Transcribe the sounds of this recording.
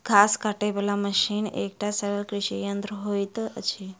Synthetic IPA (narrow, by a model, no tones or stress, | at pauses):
kʰaskaʈebəlaməɕiːnḛkʈasəʋəlkɾiɕijənd̪ɾəɦojt̪ət͡ɕi